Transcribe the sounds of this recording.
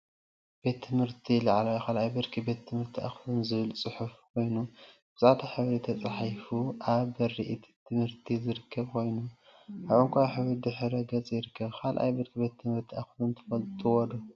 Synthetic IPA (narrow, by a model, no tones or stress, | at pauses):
b̥e̞t̪ʰːɨmhɨɾt̪ʰilaʕlajkʰalʔajbɨɾkʰibet̪ʰːɨmhɨɾt̪ʰiʔa̰xlunzɨβɨlt͡sʼɨħufkʰo̞jnubɨsʼad̪aħɨβɾit̪ʰɐt͡sʼħjfuʔaβɐɾiʔit̪ʰt̪ʰːɨmhɨɾt̪ʰizɨɾɨkʰːɐβkʰo̞jnuʔaβɨŋkʷʰajħɨβɾid̪ɨħɾɐɡɐt͡sʼjɪɾɨkːɐβkʰalʔa̰jbɨɾkʰibe̞t̪ʰːɨmhɨɾt̪ʰiaxlunt̪ʰɐ̥fɐlt̪ʼuwɔd̪u